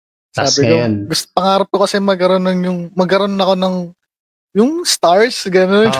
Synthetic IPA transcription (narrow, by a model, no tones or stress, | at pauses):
saːbɪk̪oɡʊst̪o̥pɐŋaːɾɐp̚k̪okɐsɛmɐɡkːɐɾo̞nːɐŋjʊŋmɐɡkɐɾonːɐko̞nɐŋ | jʊŋst̪aɹsɡɐnon